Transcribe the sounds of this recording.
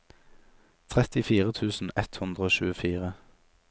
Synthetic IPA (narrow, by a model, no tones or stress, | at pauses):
t̪ʰʁɛt̪ɪfiːʁət̪ʰʉːsn̩ɛt̪hʉnd̪ʁəoːʃʉːəfiːʁə